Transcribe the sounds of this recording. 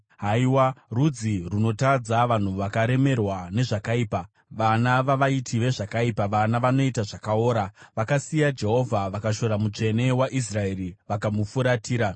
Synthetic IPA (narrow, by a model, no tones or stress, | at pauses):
ɦaiwarud͡ziruno̞tad͡zaʋan̤uʋakaɾe̞me̞rwane̞ʐakaiːpa | ʋanaʋaʋaitʰiʋe̞ʐakaipaʋanaʋano̞itaʐakao̞ːɾaʋakasijad͡ʒe̞ɦo̞vʱaʋakaʃo̞ɾamut͡ʂe̞ne̞waʔis̬rae̞ɾiʋakamufuɾatiːɾa